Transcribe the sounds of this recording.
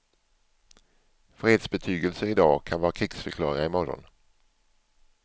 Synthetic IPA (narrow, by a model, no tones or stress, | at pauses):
fɾeːd̪sbɛt̪ʰyːɡəlsəɾɪd̪ɑːkʰanvɑːɾakʰɾɪksfœɾkʰlɑ̰ːɾɪŋaɪmɔɾɔ̰n